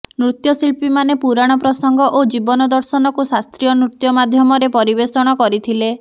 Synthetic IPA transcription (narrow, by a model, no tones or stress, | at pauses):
nɾut̪jɔsilpimanepuɾaɽ̃ɔpɾɔsɔŋɡɔʔod͡ʒibɔnɔd̪ɔɾsɔnɔkusast̪ɾijɔnɾut̪jɔmad̪ʱjɔmɔɾepɔɾibesɔɽ̃ɔkɔɾit̪ʰile